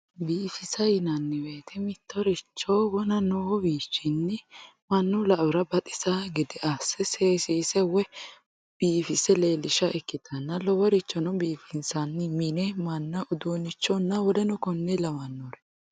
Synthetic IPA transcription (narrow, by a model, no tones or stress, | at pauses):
biːfɪsɐjɪnɐnːɪwe̞ːt̪ʰɛmɪt̪ːɔɾɪt͡ʃːɔwɔnɐnɔwɔbiːt͡ʃːɪnːɪ | mɐnːʊlɐʔʊɾɐbɐt̪ʼɪ̥saɡɪd̪ɪʔasɛseːsiːsɛwɛ | b̥iːfɪsɛle̞ːlɪʃɐʔɛkːɪt̪ɐnːɐlɔwɔɾɪt͡ʃːɔnɔbiːfɪnsɐnːɪmɪnɛmɐnːɐʊd̪uːnɪt͡ʃːɔnːɐwɔd̪ɛnʊkɔnːɛlɐwɐnːɔɾɛ